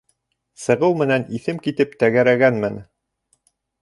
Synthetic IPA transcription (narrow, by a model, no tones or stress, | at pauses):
sɤ̆ʁɤwmɘ̆næniθɘmkit̪ɘpt̪æɡæɾæɡænmɘn